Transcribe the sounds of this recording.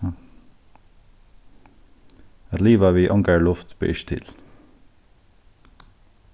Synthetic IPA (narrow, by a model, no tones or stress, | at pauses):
liːʋɑʋiːʔɔŋɡəɹɭʊft̪b̥ə̰ʔʏʃt̪ʰɪ̰l